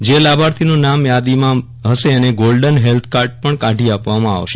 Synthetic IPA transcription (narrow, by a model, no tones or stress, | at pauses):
d͡ʒelabaɾt̪ʰinũnamjad̪imã | ɦəʃeəneɡolɖənɦelt̪ʰkaɾʈ̚pəɳkaʈiapʋamãa̰ʋʃe